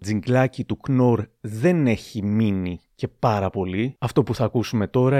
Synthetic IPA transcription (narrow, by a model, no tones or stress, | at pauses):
d͡ziŋɡlɐcit̪ukno̞ɾðe̞ne̞çiminice̞pɐɾɐpo̞liɐft̪o̞puθɐːkusume̞t̪o̞ɾɐ